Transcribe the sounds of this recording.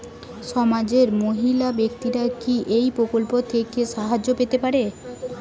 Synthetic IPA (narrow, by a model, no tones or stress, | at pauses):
ʃɔmad͡ʑeɾmoɦilabekt̪iɾakiʔejpɾokolpot̪ʰekeʃaɦad͡ʑːopet̪epaɾe